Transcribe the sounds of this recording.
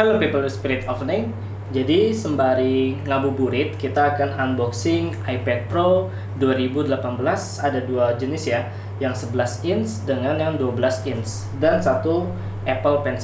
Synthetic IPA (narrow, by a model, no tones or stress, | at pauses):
aləbikalospiɾɪt̪ɔfnɪŋ | d͡ʒadisəmbaɾiŋabubuɾɪt̪̚kit̪aːkananbɔksɪŋ | ajpɛt̪̚pɾo | duaɾibudəlapanbəlas | adaduad͡ʒənɪsja | jaŋsəbəlasɪnsdəŋanjaŋduabəlasɪns | dansat̪u | ʔɛpəlpɛns